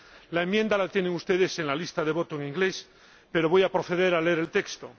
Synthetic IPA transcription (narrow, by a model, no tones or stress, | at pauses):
laemje̞nd̪alat̪je̞neŋust̪e̞ðe̞se̞nlalist̪aðe̞βo̞t̪oeŋĩŋɡle̞s | pe̞ɾo̞βo̞japɾoθe̞ðe̞ɾaleeɾe̞lt̪e̞kst̪o